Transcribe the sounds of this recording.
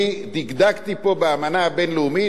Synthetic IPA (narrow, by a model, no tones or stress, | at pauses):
d̪iɡd̪akt̪ipobeamanabɛnlumi